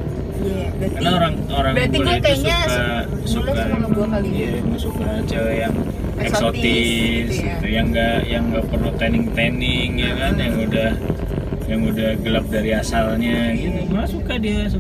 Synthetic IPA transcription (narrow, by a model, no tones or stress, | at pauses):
a | kanaoɾaŋ | oɾaŋaait̪suka | suka | amasukaat͡ʃajaŋ | ɛksot̪ɪs | jaŋɡajaŋɡaʔpərlut̪ɛnɪŋt̪enɪŋjakanjaŋudah | jaŋudahɡəlap̚daɾiasalɲaɡinimaasukadias̬u